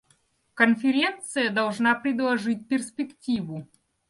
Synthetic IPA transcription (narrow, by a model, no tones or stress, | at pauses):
kənfʲɪɾʲent̪sɨjəd̪ɐlˠʐnapɾʲɪd̪lˠɐʐɨt̚ʲpʲɪrspʲɪktʲivʊ